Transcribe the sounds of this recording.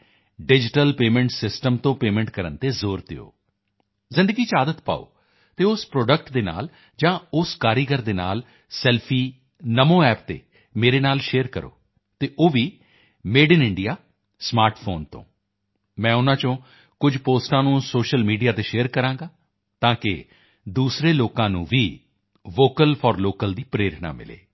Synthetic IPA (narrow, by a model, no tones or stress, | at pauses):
ɖɪd͡ʒɪʈəlpeːmẽːɳʈsɪsʈəmt̪õːpeːmẽːɳʈkəɾə̰nt̪eːzoːɾt̪ɪo̰ː | zɪ̃nd̪əɡiːt͡ʃaːd̪ət̪pa̰ːo̰ː | t̪eːʊspɾoːɖəkʈd̪eːna̰ːl | d͡ʒãːʊskaːɾiːɡəɾd̪eːna̰ːl | sɛːlpʰiː | nəmõːɛːpt̪ḛː | meːɾeːnaːlʃeːəɾkəɾo̰ː | t̪eːʔoːʋiː | meːɖɪnɪɳɖijaː | smaːɾʈpʰoːnt̪õ̰ː | mɛ̃ːʊnãːt͡ʃõː | kʊd͡ʒʱpoːsʈãːnũːsoːʃəlmiːɖijaːt̪eːʃeːəɾkəɾãːŋɡaː | t̪ãːkɪ̰ | d̪uːsɾeːloːkãːnṵ̃ːʋiː | ʋoːkəlpʰɔːɾloːkəld̪iːpɾeːɾt̪na̰ːmɪ̰lḛː